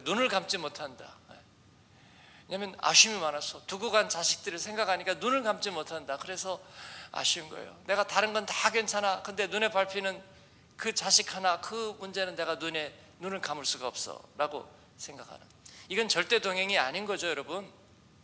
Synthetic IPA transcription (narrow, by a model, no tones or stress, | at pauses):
nunɯɭkamt͡ɕ͈imotʰanda̰e | weɲamjʌna̰ɕʰumimanasʰʌtuɡuɡant͡ɕaɕʰi̥k̚t͈ɯɾɯɭsʰe̞ŋɡakʰaɲik͈anunɯɭkamt͡ɕ͈imotʰandakɯɾe̞sʰʌa̰ɕʰunɡʌ̰ḛjo̰ne̞ɡataɾɯnɡʌntaɡɥwe̞nt͡ɕʰanakɯnde̞nune̞paɭpʰinɯn | kɯt͡ɕaɕʰikʰanakɯmund͡ʑe̞nɯnːe̞ɡanune̞ | nunɯɭkamɯɭs͈uɡaʌp̚s͈ʌ̰ɾaɡo | sʰe̞ŋɡakʰa̰nɯ̰niɡʌnt͡ɕʌɭt͈e̞toŋɦeŋiaɲinɡʌd͡ʑojʌɾʌbun